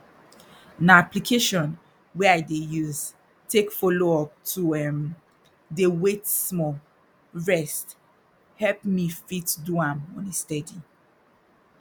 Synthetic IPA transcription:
naaplikʰeʃɔ̃n | wɛaɪdejuz | tʰekfɔloɔp̚tʰuɛm | dewetsmɔ | ɹɛst | hɛlpmifitduãmɔ̃nestɛdi

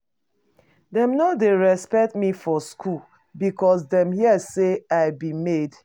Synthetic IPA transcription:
dɛ̃mnadeɹɛspɛk̚tmifɔskʰu | bikɔs̬dɛ̃mɦiɛseaɪbimed

